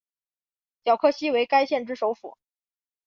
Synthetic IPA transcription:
t͡ɕjɑ˨˩ʊkʰɤ˥˩ɕi˥we˧˥ɪka˥ɪɕjɛ˥˩nʈ͡ʂɻ̩˥ʂo˧˥ʊfṵ˨˩˦

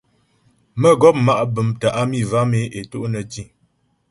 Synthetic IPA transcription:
mə˦ɡɔ˦p̚ma˦ʔbə˨˦mtə˨ʔa˦mi˦˨va˦me˨˦ʔe˨to˦ʔnə˨ti˦˨

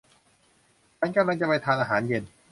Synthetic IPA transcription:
t͡ɕʰa˦˥nka˧mla˧ŋt͡ɕa˧pa˧jt̪ʰaː˧nʔaː˧ɦaː˩˦nje˧n

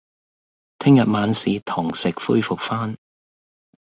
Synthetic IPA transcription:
t̪ʰɪ˥ŋjɐ˨t̚maː˨˧nsiː˨t̪ʰʊ˨˩ŋsɪ˨k̚fṵː˥jfʊ˨k̚faː˥n

